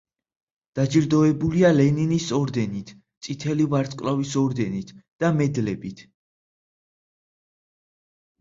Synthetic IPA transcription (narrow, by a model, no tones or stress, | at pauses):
d̪̥ad͡ʒiɾd̪ɔɛbulialɛninisɔɾd̪ɛnit̪ʰ | t̪sʼit̪ʰɛlivaɾt̪sʼkʼlavisɔɾd̪ɛnit̪ʰd̪̥amɛd̪lɛbit̪ʰ